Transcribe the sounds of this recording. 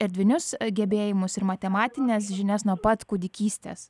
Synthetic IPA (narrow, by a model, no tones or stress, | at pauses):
ɪɾd̪ʲʋʲɪnʲʊsɡʲɛbʲeːjɪmʊsɪɾmɐt̪ʲɛmɑːt̪ʲɪnʲɛsʒʲɪnʲɛsnuɔpɐt̪kʊd̪ʲɪkʲiːsʲt̪ʲḛːs